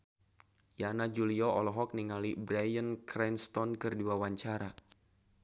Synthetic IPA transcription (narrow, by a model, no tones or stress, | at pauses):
janad͡ʒuliɔɔlɔɦɔk̚niŋalibɾajənkɾɛnst̪ɔnkɨrduwawaɲt͡ʃaɾa